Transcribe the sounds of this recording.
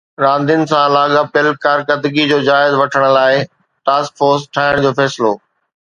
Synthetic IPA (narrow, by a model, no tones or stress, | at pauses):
ɾãːnd̪ʱɪn̆sãlaːɠapɪlkaːɾkəd̪ɡid͡ʑoːd͡ʑaːɪzʋɐʈʰəɽ̃ʊ̆laːɪ | ʈaːskfoːɾsʈʰaːɪɽ̃d͡ʑoːfɛːsɪloː